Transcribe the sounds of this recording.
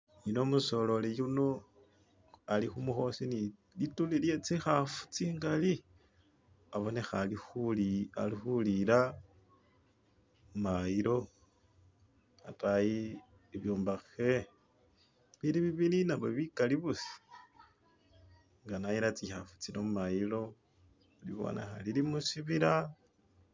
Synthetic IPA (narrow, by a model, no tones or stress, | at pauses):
nino̞muso̞lo̞lejuno | alixumuxo̞sini | litulilje̞t͡sixafu̥t͡siŋɡali | aβo̞ne̞xalixula̰lixuliɾa | maiɾo̞ | ataji | iβjoːmbaxe | βiliβiβininaβoβikaliβusi̥ | ŋɡanajiɾat͡sixafu̥t͡sinomumajilo̞ | liβo̰nḛxa̰lilimusiβiɾa